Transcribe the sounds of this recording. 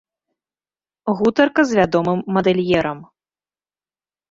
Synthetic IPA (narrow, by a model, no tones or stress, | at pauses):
ɣut̪ɐrkɐzvʲad̪ɔmɨmːɐd̪ɛlʲjɛɾɐm